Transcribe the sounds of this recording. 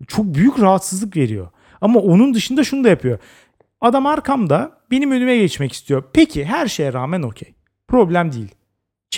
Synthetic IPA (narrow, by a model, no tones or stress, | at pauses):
t͡ʃʰo̞k̚byjycɾaɦat̪sɯzlˠɯkve̞ɾijo̞̰ | amaʔo̞nund̪ɯʃɯnd̪aʃunud̪ajapʰɯjo̞ | ad̪amaɾkʰamd̪abe̞nimønymɛɟɛt͡ʃmɛci̥st̪ʰijo̞pʰe̞cʰiɦæɾʃe̞jɛɾaːmæno̞cʰej | pʰɾo̞blʲæmd̪iilʲ